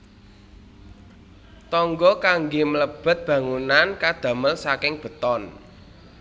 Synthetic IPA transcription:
t̪ɔŋɡɔkaŋɡemələb̥ə̤t̪̚b̥ä̤ŋunankad̪̥ä̤məlsakɪŋb̥ə̤t̪ɔn

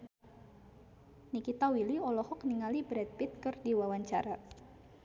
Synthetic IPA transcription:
nikit̪awiliɔlɔhɔkniŋalibɾɛt̪̚pit̪̚kɨrdiwawaɲt͡ʃa̰ɾa

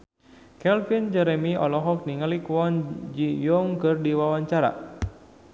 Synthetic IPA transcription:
kɛlfind͡ʒɛɾɛmiɔlɔɦɔk̚niŋalikwɔnd͡ʒijɔŋkɨrdiwawaɲt͡ʃaɾa̰

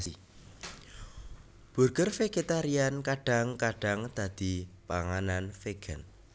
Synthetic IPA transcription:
b̥ṳrkərfeɡ̥et̪aɾiankaɖ̥a̤ŋkaɖ̥a̤ŋd̪̥a̤d̪̥i̤paŋananfeɡ̥ən

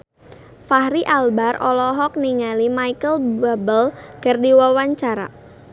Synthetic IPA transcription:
fahɾiʔalbarʔɔ̰lɔɦɔk̚niŋalimajkəlbabəlkardiwawaɲt͡ʃaɾa̰

